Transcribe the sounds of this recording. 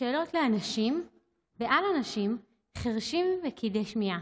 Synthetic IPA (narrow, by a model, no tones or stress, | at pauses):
eːlo̞tleanaʃim | beʔalanaʃim | χeʁʃimvekʰid̪eʃmia